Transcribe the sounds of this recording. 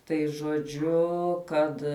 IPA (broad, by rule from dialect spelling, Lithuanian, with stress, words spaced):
tɐɪ ʒoːˈd͡ʒʲʊ ˈkɐt